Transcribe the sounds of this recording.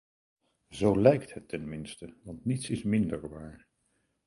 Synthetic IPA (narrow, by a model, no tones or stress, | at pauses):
zowlɛjktɦətːɛnmɪnstəʋɑntnitsɪsmɪndəɹʋaːɹ